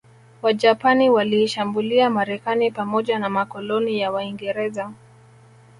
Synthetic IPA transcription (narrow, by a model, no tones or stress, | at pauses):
waʄapaniwaliːʃambuliamaɾɛkanipamɔʄanamakɔlɔnijawaiŋɡɛɾɛza